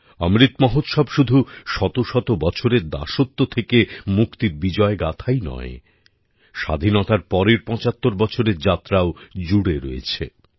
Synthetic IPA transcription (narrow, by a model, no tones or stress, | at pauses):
ɔmɾit̪mɔɦot̪ʃɔbʃud̪ʱuʃɔt̪oʃɔt̪obɔt͡ɕʰoɾeɾd̪a̰ʃot̪ːot̪ʰekemukt̪iɾbid͡ʑɔeɡat̪ʰajnɔ̰e | ʃa̰d̪ʱinɔt̪aɾpɔɾeɾpɔ̃t͡ɕat̪ːoɾbɔt͡ɕʰoɾeɾd͡ʑat̪ːɾaod͡ʑuɽeɾoḛt͡ɕʰḛ